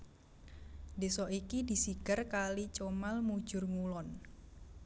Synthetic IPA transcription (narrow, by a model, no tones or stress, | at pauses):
desɔʔikidi̤siɡ̥ərkalit͡ʃomalmu̥d͡ʒ̥ʊ̤rŋulɔn